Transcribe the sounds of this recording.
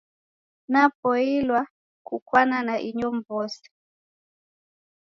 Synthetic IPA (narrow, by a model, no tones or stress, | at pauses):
napɔilwa | kukwananaʔiɲɔmbɔsi̥